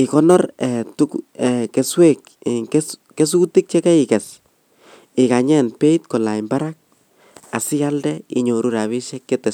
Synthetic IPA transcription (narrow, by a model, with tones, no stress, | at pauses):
ɪ˨kɔ˦nɔrɛ˨tuɛke˨swe˦k | ske˦s̬u˦ti˦k̚t͡ʃɛ˦ka˦ikɛ˨s | ɪ˨ka˨ɲɛ˦npe˦it̚kɔ˨la˨imba˦ɾak̚ | a˨si˦ja˦ldɛḭ˦ɲo˨ɾu˦ɾa˨βi˦ʃɛ˦kːetɛ˨